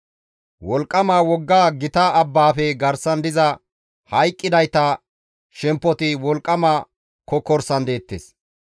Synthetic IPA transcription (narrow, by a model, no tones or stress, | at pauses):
wɔlkʼːɐmaːwɔɡːaːɡɪt̪aʔɐbːaːfɛɡɐɾsɐnd̪ɪzɐ | hɐjkʼːɪd̪ɐjt̪ɐ | ʃɛmpːɔt̪ɪwɔlkʼːɐmaː | kɔkɔɾsɐnd̪e̞ːt̪ːes